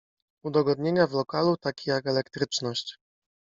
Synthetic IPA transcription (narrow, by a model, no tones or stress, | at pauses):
ud̪ɔɡɔd̪̚ɲeɲavlɔkalut̪akʲijakɛlɛkt̪ɾɘt͡ʂnɔɕt͡ɕ